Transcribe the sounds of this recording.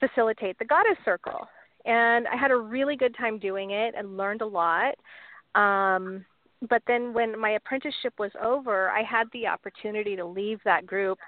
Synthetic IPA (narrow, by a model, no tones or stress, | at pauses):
fɨsɪlˠətʰeɪt̪̚ðɨɡɑɾɨ̥sɜ˞kl̩ˠ | ɨ̃na̰ɪɨɾɨɹɪlˠiɡʊd̚tʰãɪ̃mdʉɪ̃ŋɪɾɨ̰̃nlɜ̃˞ndəlɔt̚ʔʌ̃m | b̥ʌt̪̚ðɨ̃nwɨ̃nmaɪɨpʰɹ̥ɛ̃ntɨʃɨpwʌzo̰ʊvə˞a̰ɪəd̪̚ðiɑ̰pə˞tʰʉnɨɾiɾəlivðət̚ɡ̥ɹʉp̚